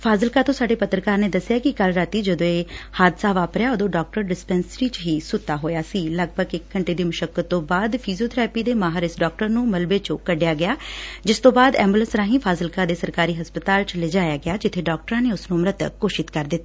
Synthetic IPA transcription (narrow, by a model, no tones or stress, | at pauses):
pʰaːzəlkaːt̪õːsaːɖeːpət̪ɾəkaːɾneːd̪əsːɪjaːkɪkəlɾaːt̪iːd͡ʒəd̪õːeːhaːd̪saːʋaːpɾɪjaːəd̪õːɖɔːk̚ʈəɾɖɪspɛ̃ːnsəɾiːt͡ʃɦiːsʊt̪ːaːɦoːjaːsiːləɡ̚bʱəɡɪkːəɳʈeːd̪iːməʃəkːət̪ːõːbaːd̪pʰiːzioːt̪ʰɾɛːpiːd̪eːmaːɦəɾɪsɖɔːk̚ʈəɾnũːməlbeːt͡ʃõːkəɖɪjaːɡɪjaːd͡ʒɪst̪õːbaːd̪ɛːmbʊlənsɾãːɦĩːpʰaːzəlkaːd̪eːsəɾkaːɾiːɦəspət̪aːlt͡ʃleːd͡ʒaːjaːɡɪjaːd͡ʒɪt̪ʰːeːɖɔːk̚ʈəɾãːneːʊsnũːmɾət̪kːoːʃɪt̪kəɾd̪ɪt̪ːaː